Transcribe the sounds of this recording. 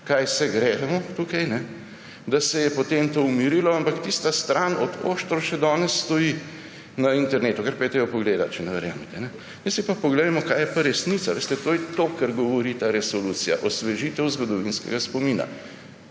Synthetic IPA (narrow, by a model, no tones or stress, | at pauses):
kajsɛɡɾɛːɛmɔt̪uːkajnɛ | d̪asɛjɛpot̪emt̪oumiɾilɔampakt̪ist̪ast̪ɾʔanɔd̪o̰ːʃt̪ɾɔʃɛd̪ɔːnɛsːt̪ɔji | nɐint̪ɛɾneːt̪ukɐɾpɛt̪ɾeʋɔpɔɡleːd̪at͡ʃɛnɛʋɛɾja̰ːmɛt̪ɛnɛ | mjɛsipapoɡleɛmɔkaːjɛpaɾɛsnit̪saʋeːst̪ɛt̪ojɛt̪okaɾɡɔʋɔɾit̪aɾɛsɔluːt̪sija̰ʔɔsʋɛʒit̪ɛwzɡɔd̪ɔʋinskɛ̰ɡaspomiːna̰